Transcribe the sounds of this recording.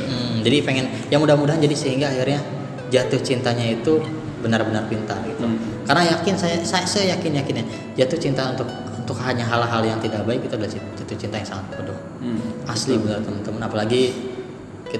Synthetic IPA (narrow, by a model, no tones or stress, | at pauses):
m̩d͡ʒadipeŋɛn | jaŋmudahmudaɦand͡ʒadisəhiŋɡaːxirɲa | d͡ʒat̪ʊht͡ʃint̪aɲait̪u | bənarbənarpint̪arɡit̪u | karnajakɪnsajasajasəjakɪnjakɪna | d͡ʒat̪ʊht͡ʃint̪aunt̪ʊk̚ | unt̪ʊkhaɲaɦalaɦaljaŋt̪idak̚baɪk̚ɡit̪uadala | at̪ʊt͡ʃint̪ajaŋsaŋat̪̚pədʊh | aslibənalt̪əmənt̪əmanapalaɡi | ki